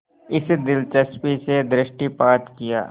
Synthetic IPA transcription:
ɪsd̪ɪlt͡ʃəspised̪ɾɪʃʈipaːt̪kija̰ː

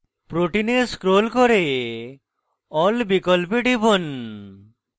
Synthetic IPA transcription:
pɾoʈineskɾolkɔɾe | ɔlbikɔlpiɖibon

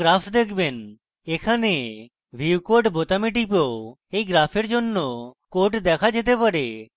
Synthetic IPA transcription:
ɾapʰd̪ekʰben | ekʰane | bʱiwkoɾʈbot̪amiʈipo | ejɡɾapʰeɾd͡ʒonːokoʈd̪ɛkʰad͡ʒet̪epaɾe

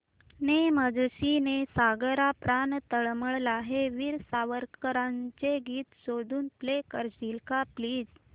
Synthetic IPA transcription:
neməd͡zɕinesaɡəɾapɾant̪əɭməɭlaɦeʋiɾsaʋəɾkəɾãɲt͡seɡiːt̪sod̪ʱuːnplekəɾd͡ʑilkapliːd͡z

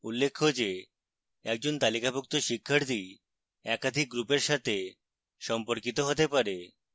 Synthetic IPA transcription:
ulːekʰːod͡ʑe | ɛk̚d͡ʑont̪alikabuk̚t̪oʃikʰːaɾt̪i | ɛkad̪ʱik̚ɡɾupeɾʃat̪ʰe | ʃɔmpoɾkit̪oɦot̪epaɾe

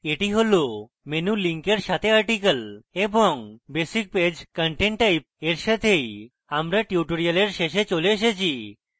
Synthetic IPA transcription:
eʈiɦolo | menuliŋkeɾʃat̪ʰeaɾʈikəleboŋbesik̚ped͡ʑkəɳʈeɳʈːajp̚eɾʃat̪ʰej | amɾaʈiuʈoɾialeɾʃeʃet͡ɕoleeʃ̬et͡ɕʰi

